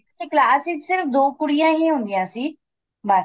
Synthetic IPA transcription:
siklaːsid͡ʒsɪɾfd̪oːkʊɽijãːɦiɦũnd̪ijãːsiː | ba

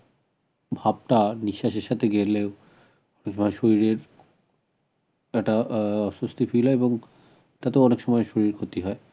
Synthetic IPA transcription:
bʱab̚ʈaniʃaʃeʃat̪ʰeɡeɾleo | ɔnekʃɔmɔeʃoɾiɾeɾ | ɛk̚ʈaɔʃost̪ʰifʰilɦɔebɔŋ | t̪at̪eoɔnekʃɔmɔeʃoɾiɾkʰot̪iɦɔe

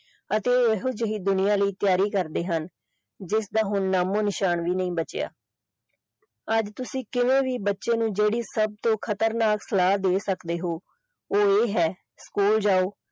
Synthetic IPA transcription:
ət̪eːeɦoːd͡ʒəɦiːd̪ʊnɪjãːləiːt̪ɪjaːɾiːkəɾd̪eːɦən | d͡ʒɪsd̪aːɦʊnːaːmõːnɪʃaːnʋiːnəĩːbət͡ʃja̰ː | əd͡ʒt̪ʊsĩːkɪʋẽːʋiːbətːʃẽːnũːd͡ʒeːɽiːsəb̚t̪õːkʰət̪əɾnaːksəlaːd̪eːsəkd̪eːɦoː | oːeːɦɛː | skuːld͡ʒaːoː

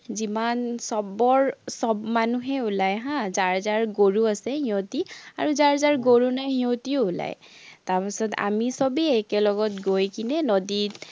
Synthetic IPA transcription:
zimansɔbɔɹsɔbmanuɦɛulajɦãzaɹzaɹɡoɹuasɛɦĩõtia̰ɹuzaɹzaɹɡoɹunajɦiɔ̃tioula̰j | taɹpisɔta̰misɔbiɛkɛlɔɡɔtɡojkinɛnodi

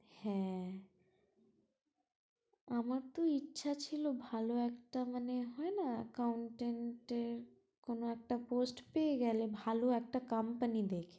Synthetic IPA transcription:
hɛ̃ | amaɾt̪oitːɕʰat͡ɕʰilobʱaloɛkʈamaneɦɔenakawɳʈeɳʈeɾ | konoɛk̚ʈaposʈpeeɡɛlebʱaloɛk̚ʈakampanid̪ekʰe

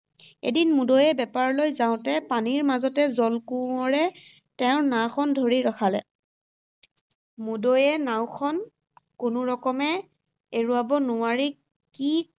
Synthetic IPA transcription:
ḛdinmudojɛbɛpaɹlojzaʊ̃tɛpaniɹmazɔtɛzɔlkuɔɹɛ | tɛʊ̃ɹnaxʰɔndʱoɹiɹɔxʰalɛ̰ | mudojɛnaw̃kʰɔn | kʊnʊɹɔkɔmɛ | eɹuabɔnʊaɹi | ki

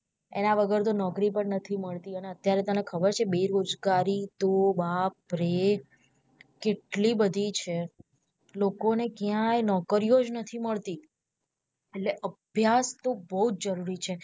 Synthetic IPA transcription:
ḛnaʋəɡəɾt̪̬onɔkɾipəɳnət̪ʰiməɭt̪iəneət̪jaɾet̪ənekʰəbəɾt͡ʃʰebeɾod͡ʒɡaɾit̪obapɾe | keʈlibəd̪ʱit͡ʃʰe | lokonekjãjnɔkəɾiod͡ʒnət̪ʰiməɭt̪i | eʈleʔəbʱjast̪obəɦut̪̚d͡ʒəɾuɾit͡ʃʰe

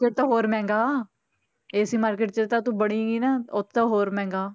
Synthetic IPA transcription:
t͡ʃət̪aɦoːɾmɛ̃ːŋɡaː | eːəsiːmaːɾkeːʈ̚t͡ʃəɾt̪aːt̪ũːbəɽĩːɡiːnaot̪ːaɦoːɾmɛ̃ːŋɡaː

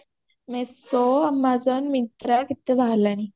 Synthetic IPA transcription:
mɛsoamːad͡zənmit̪ɾakit̪ːeʋaɦlani

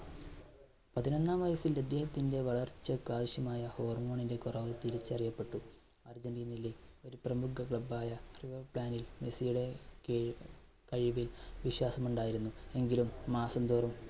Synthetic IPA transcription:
pɐðinɐnːaːmʋɐjɐsilɐd̪ːjeːhɐt̪ːinde̞ʋɐɭɐrt͡ɕːɐkːaːʋiɕjɐmaːjɐho̞ːrmo̞ːɳinde̞kurɐʋɨt̪iɾit͡ɕːɐrijɐpːe̞ʈːu | ɐrd͡ʑɐndinilio̞ɾuprɐmukɐkɭɐbaːjɐriʋɐrpɭaːnilmesijuɽe̞ | kɐɻiʋilʋiɕwaːsɐmuɳɖaːjiɾunːue̞ŋɡilumːaːsɐmd̪oːrum

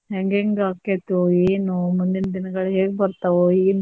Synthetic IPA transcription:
ɦeŋɡeŋɡaːkːet̪ueːnumund̪inɐd̪inɐɡɐɭɦeːɡebɐɾt̪ɐʋoeːn

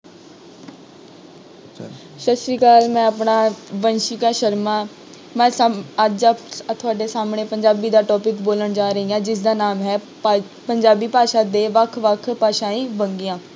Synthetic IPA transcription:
ʃəsɾiːkaːlmɛ̃ːəpɳaːʋənʃiːkaːʃəɾmaː | mɛ̃ːəd͡ʒt̪ʰʊaːɖeːsaːmɳeːpəɲd͡ʒaːbiːd̪aːʈɔːpɪkboːləɳd͡ʒaːɾəɦiːãːd͡ʒɪs̬d̪aːnaːmɦɛː | pəɲd͡ʒaːbiːpaːʃãːd̪eːʋəkʰʋəkʰpaːʃãːĩːbəŋɡɪjãː

